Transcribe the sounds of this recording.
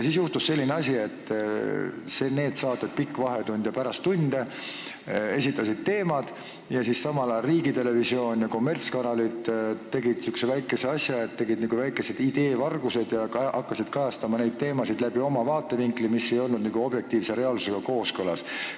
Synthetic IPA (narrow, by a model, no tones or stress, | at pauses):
jsiːs̬juht̪usse̞lːineɑsʲie̞t̪ːˑ | se̞ne̞ːd̪sɑːt̪ːˑet̪̚pikːvɑɦe̞t̪und̪jɑpæɾɑst̪ːund̪̥e | e̞sit̪ˑːɑsid̪̥̚t̪e̞ːmɑd̪̥ | jɑsissɑmɑlɑriːɡit̪e̞le̞visio̞ːnʲjɑko̞mːe̞rt̪skɑnɑlit̪ːt̪ːe̞ɡid̪̥syksevæjkːˑe̞seɑsjɑet̪ːe̞ɡid̪̥niːɡ̥uvæjkːˑesed̪̥id̪e̞ːvɑrɡ̥use̞d̪̥jɑkʔɑkːɑsid̪̥kɑjɑst̪ɑmɑne̞jd̪̥̚t̪e̞ːmɑsid̪̥læb̥io̞mɑvɑːt̪ːˑe̞viŋklimisːe̞jo̞lnud̪niːɡ̥uo̞b̥je̞k̚t̪iːvse̞ɾe̞ɑlsu̥seɡ̥ɑko̞ːskɤlɑs